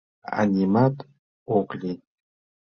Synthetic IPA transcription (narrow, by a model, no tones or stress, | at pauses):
a̰nʲimat̪ | oqlʲi